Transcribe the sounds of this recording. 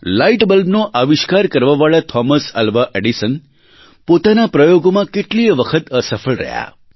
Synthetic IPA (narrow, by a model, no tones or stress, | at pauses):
laiʈbəlbnoʔaʋiʃkaɾkəɾʋaʋaɭat̪ʰɔməsə̰lʋaʔeɖisən | pot̪anapɾəjoɡomãkeʈliəʋəkʰət̪əsəfəɭɾə̰ɦja̰